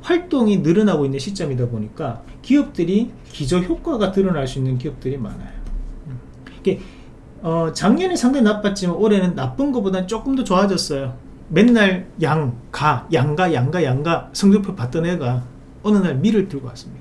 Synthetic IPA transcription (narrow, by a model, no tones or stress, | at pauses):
ɸwaɭt͈oŋinɯɾʌnaɡoinːɯnɕʰit͡ɕ͈ʌmidaboɲik͈akiʌp̚t͈ɯɾi | kid͡ʑʌçjok͈waɡatɯɾʌnaɭs͈uinːɯnk̬iʌp̚t͈ɯɾima̰na̰jo | ike | ʌt͡ɕaŋɲʌnesʰaŋdenap͈at̚t͡ɕ͈imanoɾe̞nɯnːap͈ɯnɡʌbodant͡ɕ͈ok͈ɯmdʌt͡ɕʌad͡ʑʌs͈ʌjo | me̞nːaɭjaŋkajaŋɡajaŋɡajaŋɡasʰʌŋdopʰopat͈ɯnɦeɡa | ʌnɯnaɭmiɾɯɭtɯɭɡʌk͈as͈ɯmɲid̥a